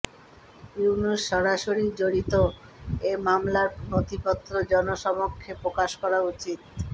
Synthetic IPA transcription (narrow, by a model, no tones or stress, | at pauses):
unuʃʃɔɾaʃoɾid͡ʑoɽit̪o | emamlaɾnot̪ipɔt̪ːɾod͡ʑɔnoʃɔmokʰːepɾokaʃkɔɾaut͡ɕit̪̚